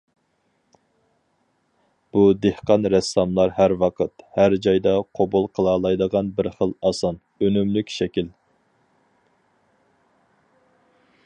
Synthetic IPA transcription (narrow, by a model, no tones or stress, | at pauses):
b̥ud̪ehqɑnɾɛsɑmlˠɑɾɦæɾwɑqʰət̪hæɾd͡ʒɑjd̪ɑqʰobulˠqʰəlˠɑːlˠɑjd̪əʁɑnbɪɾχəlˠɑsɑn | ønymlykʲʃɛkʲil